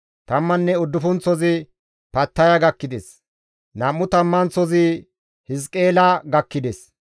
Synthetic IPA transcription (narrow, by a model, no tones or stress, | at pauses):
t̪ɐmːɐnːɛɔd̪ːʊfɔnt͡sːɔzɪ | pɐt̪ːɐjɐɡɐkːɪd̪ɛs | nɐmːʊt̪ɐmːɐnt͡sɔzɪ | hɪs̬kʼːe̞ːlɐɡɐkːɪd̪ɛs